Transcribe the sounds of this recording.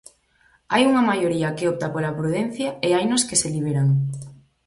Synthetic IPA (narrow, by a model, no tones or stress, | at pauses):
ajuŋɐmajoɾiɐkeop̚t̪apolapɾuðen̟θjɐeajnoskeseliβ̞eɾaŋ